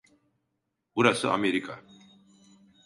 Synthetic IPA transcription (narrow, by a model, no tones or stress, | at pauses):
buɾasɨ̰a̰meɾika